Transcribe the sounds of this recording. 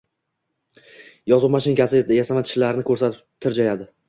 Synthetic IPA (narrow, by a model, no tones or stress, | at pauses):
jɒzʊmaʃɪnkʲasɪjasamat̪ʰɪ̥ʃlaɾnɪkʰɵɾsat̪ɪt̪ʰːɪɾd͡ʒajad̪ɪ